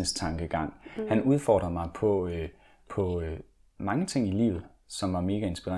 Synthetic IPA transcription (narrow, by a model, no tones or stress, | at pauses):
əst͡sʰɑ̈ŋɡ̥əɡ̥ɑ̈ŋ̰hænuð̞ˠfɒ̰ːd̥ʁɐmɑ̈ɪpʰɒ̽ | pʰɒ̽ | mɑ̈ŋət͡sʰe̝ŋ̰ilḭːʊð̞̩ˠ | sɒ̽mʋɑ̈me̝ːɡ̥æe̝nsb̥iʁa̰